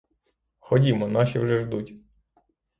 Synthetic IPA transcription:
xɔdʲimɔnɑʃiwʒɛʒd̪utʲ

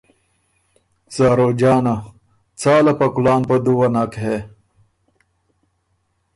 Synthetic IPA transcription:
zaːɾod͡ʑaːna | t͡sʰaːlɐpɐkulaːnpɐd̪uwɐnakɦe

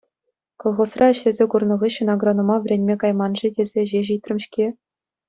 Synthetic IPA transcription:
kolˠχosrɑɘ̆ɕlʲezʲekurnɤ̆ʁɯɕɤ̆noɡronomɑʋʲrʲenʲmʲekɑjmɑnʐɘdʲezʲeʑeʑit̪ʲrʲɘ̆mɕkʲe

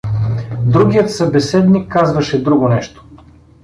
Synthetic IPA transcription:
d̪ɾuɡʲijət̪sɐbɛsɛd̪nikːazvɐʃɛd̪ɾuɡonɛʃt̪o̥

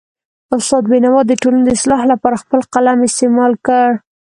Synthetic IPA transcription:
ʊst̪ɑd̪̚benawɑd̪ːəʈolaned̪ɪslɑhlapɑɾaxpəlqalamɪst̪emɑlkəɽ

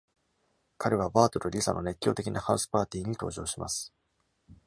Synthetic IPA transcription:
kaɾe̞β̞abaːt̪oɾoɾʲisa̰nʔo̞ne̞kʲːo̞ːt̪e̞kʲinahaɯsɨ̥paːt̪ʲiːɲ̟it̪o̞ːʑo̞ːɕima̰sɨ̥

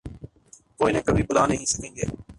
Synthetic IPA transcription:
koːiːnẽːkəbʱiːbʊlaːnə̃ɦĩːsəkẽːɡḛː

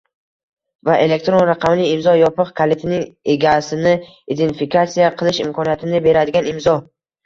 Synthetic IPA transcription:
vaʔe̞le̞k̚t̪ɾo̞nɾaqʰɑmlɪːmzɒjɒpɨqkʰalet̪ʰɪnɪŋe̞ɡʲasɪnɪ | id̪e̞nt̪fikʰat̪sijaqʰɨlˠɪʃɪmkʰɒnijat̪ʰɪnɪbe̞ɾad̪ɪɡʲanɪmzɒ

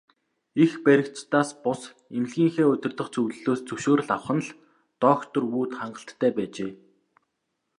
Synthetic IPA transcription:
ixpæɾʲɪ̆kt͡ɕt̪aːspʊs | emɮɣiːŋxeːʊt̪ʲɪ̆rt̪ə̆χt͡sɵwɮɵɮoːst͡sɵwʃoːr̆ɮawχə̆nɮ | t̪ɔːxt̪ɵ̆ruːt̪χaɴɢə̆ɬt̪ʰːæːpæːt͡ɕeː

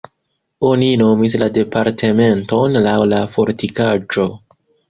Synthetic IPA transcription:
o̞nino̞mislade̞paɾtʰe̞me̞nto̞nlawlafo̞ɾtikad͡ʒo̞

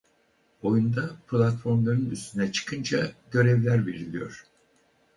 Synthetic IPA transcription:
o̞jund̪apʰlʲˠat̪fo̞ɾmlˠaɾɯnyst̪ynɛt͡ʃʰɯ̥kʰɯnd͡ʒaɟø̞ɾɛvlʲæɾve̞ɾilʲijo̞̰ɾ̥

